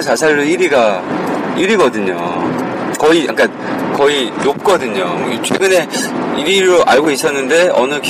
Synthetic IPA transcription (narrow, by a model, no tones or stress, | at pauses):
sʰasʰaɭːɯiɾiɡa | iɾiɡʌdɯɲo̰ | kʌiʔak͈a | kʌinop̚k͈ʌdɯɲomt͡ɕʰwe̞̰ɡɯne̞iɾiɾoʔaɭɡois͈ʌnːɯnde̞ʌ̰nɯk